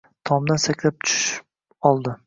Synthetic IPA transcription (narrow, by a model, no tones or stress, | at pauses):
t̪ʰɒmd̪ansakʰʲlap̚t̪ʰʊ̥ʃ | ɒlˠd̪ɪ